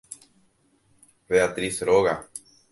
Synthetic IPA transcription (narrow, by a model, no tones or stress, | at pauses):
βeat̪ɾisɾoɣa